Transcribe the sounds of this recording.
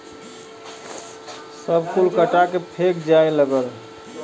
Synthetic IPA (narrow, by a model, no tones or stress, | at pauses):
səbkulkəʈakepʰekd͡ʒajləɡəl